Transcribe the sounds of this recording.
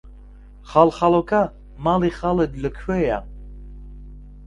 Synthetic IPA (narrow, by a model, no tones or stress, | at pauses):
χalχalɔkʰa | maliχalɛd̪ləkʰwɛja̰